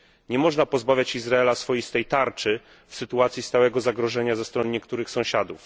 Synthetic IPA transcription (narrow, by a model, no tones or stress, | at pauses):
ɲɛmɔʐnapɔzbavʲjat͡ɕizɾaɛlasfɔjist̪ɛjt̪aɾt͡ʂɘ | fsɘt̪uat̪sʲjist̪awɛɡɔzaɡɾɔʐɛɲazɛst̪ɾɔnɲɛkt̪uɾɘxsɔ̃w̃ɕad̪uf